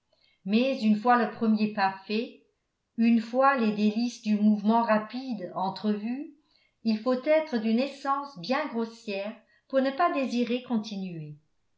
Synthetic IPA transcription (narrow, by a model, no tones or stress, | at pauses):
mɛzynfwaləpχəmjepafɛ | ynfwaled̪elisd̪ymuvmɑ̃ʁapid̪ɑ̃t̪χəvy | ilfot̪ɛt̪χəd̪ynɛsɑ̃sbjɛ̃ɡʁosjɛːʁ | puʁnəpad̪eziʁekɔ̃t̪inye